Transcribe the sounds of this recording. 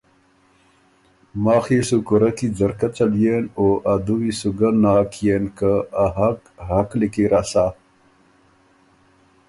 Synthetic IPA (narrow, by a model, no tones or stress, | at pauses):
maːxisukuɾɐkid͡zɐɾkɐt͡ɕɐljenoːʔad̪uwisuɡənaːkʰijeːnkəaɦɐk | ɦɐklikiɾasaː